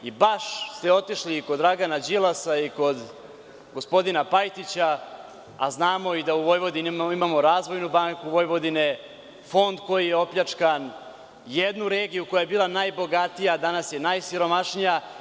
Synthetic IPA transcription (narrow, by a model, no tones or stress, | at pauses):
ibaʃst̪e̞o̞t̪iʃlikod̪ːɾaɡanad͡ʑilˠasaiko̞d̪ | ɡo̞spo̞d̪inapajt̪it͡ɕa | a̰znaːmo̞id̪auʋo̞jʋo̞d̪inimaːmo̞ɾaːzʋo̞jnubaŋkuʋo̞jʋo̞d̪ine̞ | fo̞nd̪ko̞jijeo̞pʎat͡ʂkan | jed̪nuɾe̞ːɡijukojajebiːlˠanajbo̞ɡat̪ijad̪anasjenajsiɾo̞maʃnija